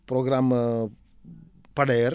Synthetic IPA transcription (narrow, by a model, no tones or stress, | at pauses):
pɾoːɡɾaːm | pɐɽɐjɐɾ